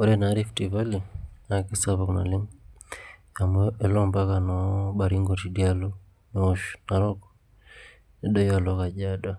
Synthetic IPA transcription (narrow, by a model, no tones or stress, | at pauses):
ɔɾɛnaɾiftivalinakisaβakuna̰lim | amɛlɔmbakanɔbaɾiŋɡɔtiɗialɔ | nɛɔʃnaɾɔkɔ̥ | ɛɗɔjalɔkad͡ʒaɗa